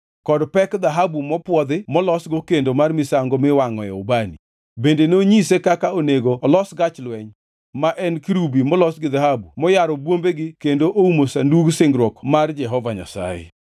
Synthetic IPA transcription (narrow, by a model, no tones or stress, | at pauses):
kɔdpɛkd̪aɦabumɔpwɔd̪ɪmɔlɔsɡokendomarmɪsaŋɡomɪwaŋɔjɛ̰ɔbani | bendenoɲisekakaoneɡoːlɔsɡat͡ʃlwɛɲ | maʔɛnkɾubimɔlɔsɡɪd̪aɦabumɔjaɾɔbwombeɡɪkendoʔoumosanduɡsɪŋɡɾwɔkmard͡ʒɛɦɔvaɲa̰sa̰jḛ